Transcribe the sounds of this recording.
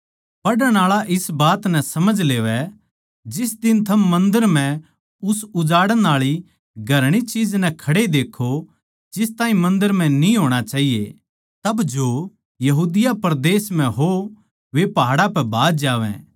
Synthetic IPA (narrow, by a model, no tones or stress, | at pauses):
pɐɽəɽ̃aːɭaʔɪsbaːt̪nɛsɐməd͡ʒleːʋɛ | d͡ʒɪs̬d̪ɪnt̪ʰɐmːɐ̃nd̪əɾm̤ɛ̃ | ʊsʊd͡ʒaːɽəɽ̃aːɭi | ɡʱɐɾɽ̃it͡ʃiːd͡ʒnɛkʰɐɽed̪eːkʰːo | d͡ʒɪst̪aːĩmɐ̃nd̪əɾmɛ̃nĩɦoːɽ̃at͡ʃaːɦijḛ | t̪ɐbd͡ʒo | jɐɦuːd̪ɪjapɐɾd̪eːsmɛ̃ɦo | ʋepɐɦaːɽapɛbʱaːd̪d͡ʒaːʋɛ̰̃ː